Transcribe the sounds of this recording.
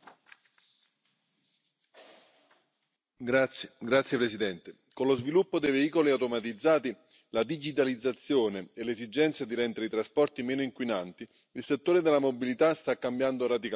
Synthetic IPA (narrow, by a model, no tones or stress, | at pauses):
ɡɾat̪sːjepɾesid̪ɛnt̪e | konlozvilupːod̪ejveiːkoliawt̪omat̪id̪zːaːt̪i | lad̪id͡ʒit̪̬alid̪zːat̪sːjoːneelezid͡ʒɛnt̪sjad̪iɾɛnt̪eɾeit̪ɾaspɔrt̪imɛːnoiŋkwinant̪i | ilset̪ːoːɾed̪elamobilit̪ast̪akːambjand̪oɾad̪ika